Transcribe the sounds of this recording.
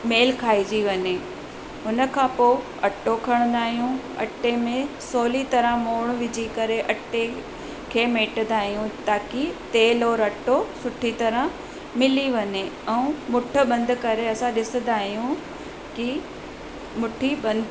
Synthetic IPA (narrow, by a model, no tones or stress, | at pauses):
meːlkʰaːid͡ʑiʋɐɲe | ʊnə̆kʰãːpoː | ɐʈokʰɐɽ̃nd̪aːɦijũ | ɐ̰ʈːemẽsoːlit̪ɐɾə̃moːɽ̃ʋɪd͡ʑʱikɐɾeʔɐʈe | kʰeːmeːʈə̃d̪aːɦijũt̪aːkit̪eːlɔːɾɐʈːosʊʈʰit̪ɐɾə̃ | mɪliʋɐɲeɛ̃ũmʊʈʰə̆ɓɐ̃nd̪ʱkɐɾeɐsãɗɪsə̃d̪aːɦijũ | ki | mʊʈʰiɓɐ̃nd̪